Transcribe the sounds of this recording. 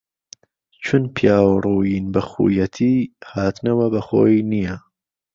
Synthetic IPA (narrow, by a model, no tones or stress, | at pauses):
t͡ʃʰʊnpʰjaːwrˤuːjinbɐxṵːjɐt̪ʰiːhaːt̪nɐwɐbɐxo̰ːjinijɐ